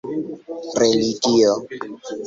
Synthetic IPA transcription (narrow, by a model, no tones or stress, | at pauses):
reliɡio